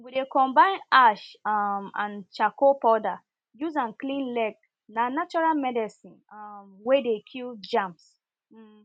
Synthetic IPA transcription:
widekɔ̃mbãɪ̃naʃamã̰nt͡ʃakopɔda | juzãnklĩnlɛɡ̚ | nanat͡ʃɔɹalmɛdɛsĩnmwedekʰild͡ʒãmps̩

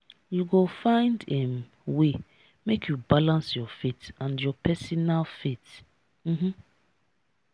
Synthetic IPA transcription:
juɡofãɪ̃ndɛm | we | mekʰjubalãnsjɔfetãndjɔpʰɛsɔnalfet | m̩mm̩

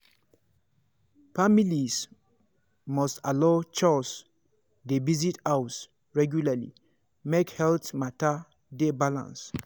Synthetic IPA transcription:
familis | mɔstalot͡ʃɔs | devizitaws | ɹɛɡjulalḭ | mekhɛltmata | debalã̰ns

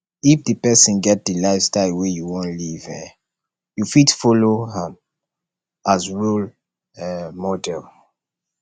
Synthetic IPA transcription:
ifdəpɛsə̃nɡɛt̚dəlaɪfstaɪlwɛjuwɔ̃nlivɛ̰ | jufitfɔloɦãm | azɹul | mɔdɛl

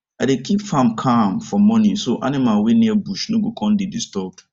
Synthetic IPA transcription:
adekʰipfãmkʰamfɔmɔ̃nĩsoʔa̰nɪ̃malwenĩɛbuʃnʊ̃ɡokʰɔ̃ndɪdistɔb̚d̥

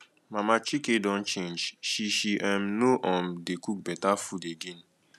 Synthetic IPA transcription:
mamat͡ʃikedɔ̃nt͡ʃẽnd͡ʒʃiʃiʔãmnoʔɔ̃mdekuk̚bɛtafudeɡen

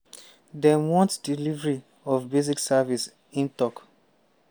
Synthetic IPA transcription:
dɛ̃mwɔ̃ntdilivɹi | ɔfbeziksavis | ĩntɔk

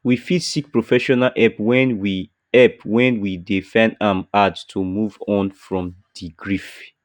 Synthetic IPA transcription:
wifidsik̚pɹofɛʃɔnalʔɛpwɛ̃nwi | ɛpwɛ̃nwidifãndãmatstʰumuvɔ̃nfɹɔ̃mdiɡɹif

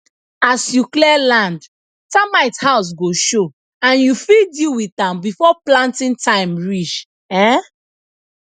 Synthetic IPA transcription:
asjuklɛlãnd | tamaɪthaʊs̬ɡoʃo | ãnjufildilwiθãmbifɔplãntĩntãɪ̃mɹit͡ʃ | ɛ

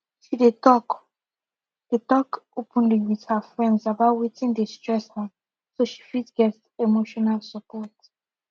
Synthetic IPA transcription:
ʃiditɔk | d̥etɔkupʰũndiɡithafɹɛ̃ndzabawitʰĩnd̪estɹɛsha | soʃi̥fitɡɛstɛmoʃɔnalsapɔt

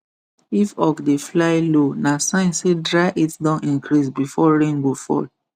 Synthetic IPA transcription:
ifɔkdeflaɪlonasãɪ̃nsedɹaɪʔitdãnĩŋkɾisbifɔɹẽŋɡofɔ̰

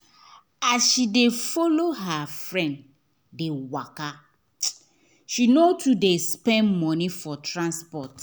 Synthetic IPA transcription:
asʃidefɔloɦafɹɛ̃nd | dewaka | ʃinotʰudespɛ̃nmɔnifɔtɹãnspɔt

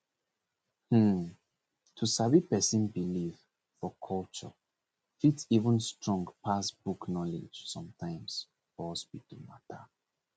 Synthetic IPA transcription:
hm̩ | tʰusavipɛsĩnbiliv | fɔkʰɔlt͡ʃɔ̰ | fitivə̃nstɹɔ̃ŋɡpʰasbuknɔlḭd͡ʒsɔ̃mtʰãɪ̃ms | fɔsbitumatʰa

